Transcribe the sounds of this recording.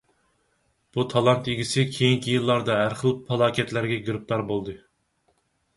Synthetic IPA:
b̥ut̪ʰɑlˠɑnt̪eɡʲisɪkʲʰejiŋkʲʰijilˠːɑɾd̪ɑɦæɾχəlˠpʰɑlˠɑːkʲɛt̪læɾɡʲɛɡɾɨp̚t̪ʰɑɾbolˠd̪ɨ

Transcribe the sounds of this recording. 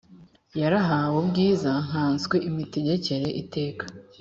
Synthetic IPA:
jaɾaɦawobɡiːzaŋ̥aːnswe̞ʔimiteɟe̞ce̞ɾe̞ʔite̞ːkḁ

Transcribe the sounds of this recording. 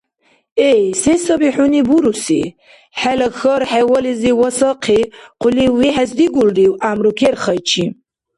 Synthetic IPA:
ɛjsɛsəbiħunibuɾusḭ | ħɛlɐxəɾħɛwɔliziwɔsaqʰiquliwiħɛsd̪iɡuld̪iwʔamɾukʰɛɾχəjt͡ʃʰi

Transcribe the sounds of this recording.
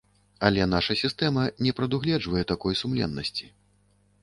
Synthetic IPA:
alʲɛnaʂɐsʲist̪ɛmɐnʲɛpɾɐd̪uɣlʲɛd͡ʐvɐjɛt̪akɔjsumlʲɛ̰nːɐsʲt͡sʲi̥

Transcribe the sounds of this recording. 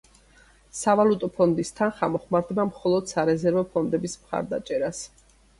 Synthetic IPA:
savalut̪ʼɔpʰɔnd̪ist̪ʰanχamɔχmaɾd̪bamχɔlˠɔd̪̥saɾɛzɛɾvɔpʰɔnd̪ɛbismχa̰ɾd̪a̰t͡ʃʼɛɾas

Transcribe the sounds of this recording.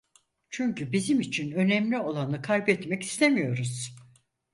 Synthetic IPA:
t͡ʃʰyɲcybizimit͡ʃʰinø̞nɛmlʲio̞lˠanɯkʰajbɛt̪mɛci̥st̪ʰe̞mijo̞ɾuz̥

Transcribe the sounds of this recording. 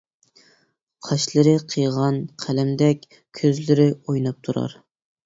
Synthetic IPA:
qʰɑʃlˠɨɾɨqʰɨjʁɑnqʰælɛmd̪ɛkʲ | kʲʰøzlɪɾɪojnɑp̚t̪ʰuɾɑ̰ɾ

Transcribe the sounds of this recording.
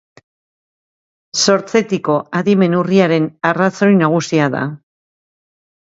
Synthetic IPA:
so̞ɾt͡se̞t̪iko̞aðime̞nuriaɾe̞naraso̞jnaɣ̞usiaða̰

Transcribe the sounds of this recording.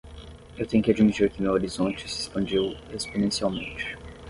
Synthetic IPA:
ewt̪ẽj̃ʊkʲɪad͡ʒimit͡ʃiɾkɪmewoɾizõnt͡ʃɪ̥sɪespɐ̃nd͡ʒiwesponẽsiawmẽnt͡ʃɪ̥

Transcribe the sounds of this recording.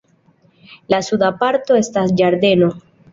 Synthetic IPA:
lasud̪apaɾt̪o̞e̞stasd͡ʒaɾd̪e̞no̞

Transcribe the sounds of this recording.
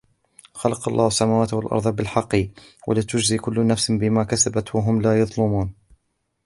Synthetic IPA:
xalɑqɑlˤːɑːhasːamaːwaːt̪walʔɑ̰ɾˤðˤɑbɪlħɑqːɨwʔa̰lɪt̪ʊd͡ʒziːkʊlːnafsbɪmaːkasabat̪waɦʊmlaːjɑðˤlʊmuːn

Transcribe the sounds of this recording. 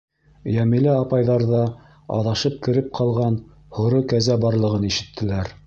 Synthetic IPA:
jæmɘ̆lɘɑpɑjðɑɾðɑ | ɑ̰ðɑʃɤp̚kɘ̆ɾɘp̚qʰɑlˠʁɑn | hŏɾokæzæbɑɾlˠɤ̆ʁɤniʃɘ̆t̪ʰːɘ̆læɾ

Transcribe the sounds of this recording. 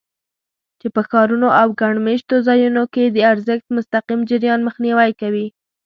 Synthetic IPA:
t͡ʃepəxɑɾunoʔawɡaɳmeʃt̪ozɑjunoked̪əaɾzəxt̪̚mʊst̪aqimd͡ʒɪɾjɑnməxniwajkawi

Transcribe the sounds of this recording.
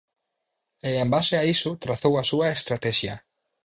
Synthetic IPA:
eẽmbaseaisʊt̪ɾaθowasuɐest̪ɾat̪ɛʃjɐ

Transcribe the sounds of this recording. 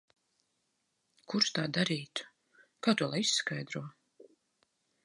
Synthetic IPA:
kuɾʃt̪aːd̪aɾiːt̪ | kaːt̪uɔlˠajisːkajd̪ɾuɔ

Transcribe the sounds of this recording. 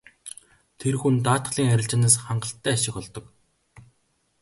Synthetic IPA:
t̪ʰerxunt̪aːt̪̆ɮiːŋæɾʲɪ̆ɬt͡ɕɪ̆naːsχaɴɢə̆ɬt̪ːæːaʃɪ̆xɔɮt̪ɞ̆k

